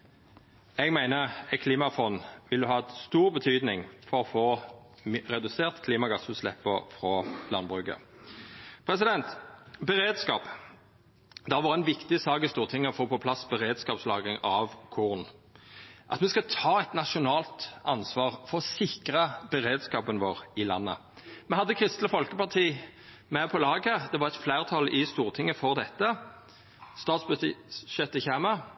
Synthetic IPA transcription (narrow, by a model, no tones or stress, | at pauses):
ɛɡmæɪnəɛkʰliːmɑfɔnːʋɪld̪ʉhɑːst̪uːʁbət̪ʰyːd̪nɪŋfɔʁɔfoː | mʁɛd̪ʉseːʁt̪kʰliːmɑɡɑsəslɛpːə̰fɾɔlɑnbʁʉɡə̰ | pʰʁɛsɪd̪ɛnt̪bɛɾeːd̪skɑːp | d̪æʁʋɑːʁɛnʋɪkt̪ɪsɑːɡəst̪uːʁt̪ʰɪŋːɔfoːpɔpʰlɑsbɛʁeːd̪skɑːpslɑːɡɪŋɑʋkʰʊʁn | ʔɑ̰t̪mɛskɑt̪ʰɑːɛt̪nɑʂʊnɑːlt̪ɑnsʋɑːʁfɔʁɔsɪkʁəbəʁeːd̪skɑːpənʋoːʁɪlɑ̰nːə̰ | mɛɦɑd̪ːəkʰɾɪst̪ləfɔlkəpɑʁt̪ʰiː | mɛpʰɔlɑːɡəd̪ɛʋɑʁɛt̪flæːʁt̪ʰɑlɪst̪uːʁt̪ʰɪŋːəfɔʁd̪ɛt̪ːə | st̪ɑːt̪sbʉt̪ʃœt̪ːəçæːmə